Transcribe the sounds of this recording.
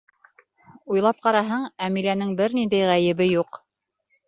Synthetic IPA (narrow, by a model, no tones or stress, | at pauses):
ujlˠɑp̚qɑɾɑɦɤɴæmilænɘŋbɘɾnind̪æjʁæjɘ̆βɘjuq